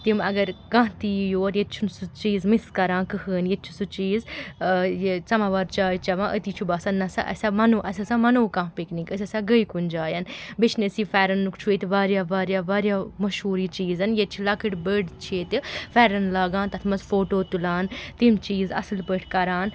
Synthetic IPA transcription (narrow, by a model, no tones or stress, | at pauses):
t̪imɐɡɐɾɡãːt̪ijoːɾjet̪t͡ʃʰunsut͡ʃiːzmiskɐɾãːnkɨhəːnjet̪̚t͡ʃʰu̥sut͡ʃiːz | jet͡sɐmaːʋaːɾt͡ʃaːjt͡ʃɐʋãːʔət̪iːt͡ʃʰubaːsɐnːɐsa̰ʔɐ̰sʲaːmɐnoːʔɐs̬ʲɐsaːmɐnoːkãːɦpiknikəs̬ɐsaɡəikund͡ʒaːjɐnbit͡ʃʰnesiːfɛːɾɐnːukt͡ʃʰuet̪iʋaːɾjaːʋaːɾjaːʋaːɾjaːmɐʃɦuːɾiːt͡ʃiːzɐnjet̪̚t͡ʃʰilɐkɨʈbəːɖt͡ʃʰeːt̪ifɛːɾɐnlaːɡãːnt̪ɐt̪ʰmɐzfoːʈoːt̪ulaːnt̪imt͡ʃiːzɐ̰slpəʈʰkɐɾaːn